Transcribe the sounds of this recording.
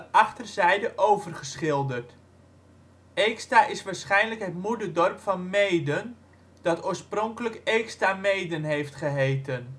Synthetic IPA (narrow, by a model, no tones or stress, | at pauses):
ʔɑχtərzɛjdəʔowvərχəsχɪlˠdərt | eːkstaːʔɪsʋaːɹsχɛjnləkɦətmudədɔrpfɑnmejdən | d̥ɑtoːɹsproŋkələkejkstamejdənɦejftχəɦejtən